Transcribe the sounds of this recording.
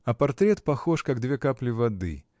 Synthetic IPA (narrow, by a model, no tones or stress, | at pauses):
ɐpart̪ɾʲɛt̪pɐxɔʂkaɡd̪vʲɛkaplʲivad̪ɨ̰